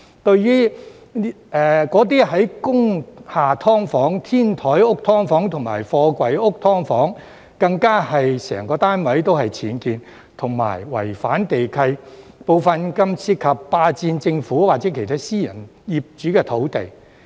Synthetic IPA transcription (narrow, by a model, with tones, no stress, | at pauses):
t̪ɵ˧ɥɥyː˥ | ɛː˨kɔː˨˥t̪̬iː˥ɦɐ˨˥jkʊ˥ŋhaː˨t̪ʰɔː˥ŋfɔː˨˥ŋt̪ʰiː˥nt̪ʰɔː˨˥jʊ˥k̚t̪ʰɔː˥ŋfɔː˨˥ŋt̪ʰʊ˨˩ŋma̰ː˨˩jfɔː˧kʷɐ˨˧jʊ˥k̚t̪ʰɔː˥ŋfɔː˨˥ŋ | kɐ˧ŋkaː˥hɐ˨jsɛ̰ː˨˩ŋkɔː˧t̪aː˥nwɐ˨˥jt̪o˥whɐ˨jt͡sʰiː˨˥nkiː˨˧n | t̪ʰʊ˨˩ŋma̰ː˨˩jwɐ̰˨˩jfa̰ː˨˥nt̪e˨jkʰɐ˧jpo˨˧wfɐ˨nkɐ˧msʰiː˧t̚kʰːɐ˨pːaː˧t͡siː˧nt͡sɪ˧ŋfuː˨˥waː˨t̚t͡sɛː˨˥kʰe˨˩jt̪ʰaː˥siː˥jɐ̰˨˩njiː˨p̚t͡ʃyː˨˥kɛː˧t̪ʰo˨˥wt̪e˨j